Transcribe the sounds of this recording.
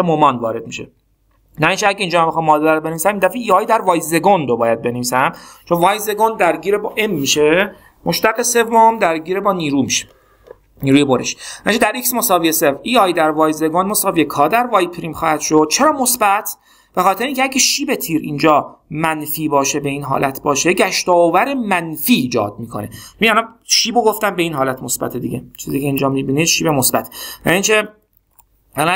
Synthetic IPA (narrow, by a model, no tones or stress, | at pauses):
emomɒːnvɒːɾe̞d̪̚miʃḛ | næint͡ʃʰeæɟeiːnd͡ʒɒːæmbexɑːmmɒːd̪ɾobe̞neiːsæmind̪æfiiːɒːjd̪æɾvɒːjze̞ɡond̪obɒːjæd̪̚be̞neviːsæmt͡ʃʰonvɒːjze̞ɡond̪æɾɟiːɾebɒːʔe̞mːiʃe | moʃt̪æɣese̞vːomd̪æɾɟiːɾebɒːniːɾuːmiʃe̥ | niːɾuːjeboɾḛʃnæit͡ʃʰed̪æɾʔiksmosɒːvijeseviɒːjd̪æɾvɒːjze̞ɡonmosɒːvijekʰɒːd̪æɾvɒːjpʰɾiːmxɒːhæd̪̥ʃo̞d̪̥̚t͡ʃʰe̞ɾɒːmo̞sbæt̪ʰ | b̥e̞xɒːt̪eɾeiŋcʰʲeæɟæʃiːbet̪ʰiːɾḭːnd͡ʒɒːmænfiːbɒːʃe̞be̞iːnɦɒ̰ːlʔæt̪ʰbɒːʃe̞ɟæʃt̪ɒːovæɾemænfiːd͡ʒɒ̰ːd̪̥̚miːkʰo̞̰ne̞̰t͡ʃæniælɒnʃiːboɡo̞ft̪ænbe̞iːnɦɒːlæt̪ʰmosbæ̰t̪ʰed̪iɟet͡ʃʰiːziːcʰeiːnd͡ʒɒːmibiːneʃiːbemosbæt̪ʰjæ̰niːnt͡ʃʰe | æl